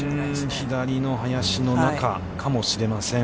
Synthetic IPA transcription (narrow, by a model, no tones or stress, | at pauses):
ɯ̃çid̪aɾʲino̞ɦajaɕino̞naka̰ | kʰamo̞ɕiɾe̞masẽ̞